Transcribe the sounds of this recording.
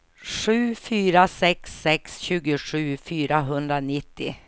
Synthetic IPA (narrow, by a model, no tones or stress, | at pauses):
ʂʉ̟ːfyːɾasɛksːɛksɕʉ̟ːɡʊʂʉ̟ːfyːɾaɦɵnd̪ɾanɪt̪ːɪ